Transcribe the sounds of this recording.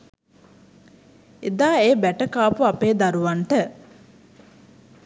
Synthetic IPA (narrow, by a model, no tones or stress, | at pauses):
ed̪aːeːbæʈəkaːpuapeːd̪aɾuʋaɳʈə